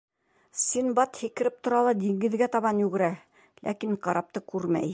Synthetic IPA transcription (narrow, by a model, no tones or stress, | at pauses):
sinbɑt̪hikɘ̆ɾɘp̚t̪ŏɾɑlˠɑd̪iŋɡɘ̆ðɡæt̪ɑβɑnjʉɡɘ̆ɾæ | lʔæ̰kiɴqɑɾɑp̚t̪ɤkʉɾmæ̰j